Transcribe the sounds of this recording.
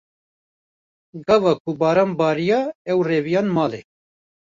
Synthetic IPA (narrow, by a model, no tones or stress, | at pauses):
ɡɑvɑːkʰubɑːɾɑːnbɑːɾijɑɛwreːvijɑːnmɑːlḛː